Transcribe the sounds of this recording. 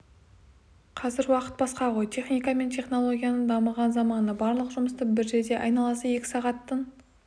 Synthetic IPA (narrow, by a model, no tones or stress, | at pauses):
qʰɑzɪɾwɑqə̥t̪̚bɑsqɑʁo̞jt̪ʲʰe̞χnijkɑme̞nt̪ʰʲe̞χno̞lˠo̞ɡʲijanəɴd̪ɑməʁɑnzɑmɑnəbɑɾlˠəqʒʊməst̪əpbɪɾʒe̞d̪e̞ʔɑjnɑlˠəsəje̞kʲɪ̥sɑʁɑt̪ːən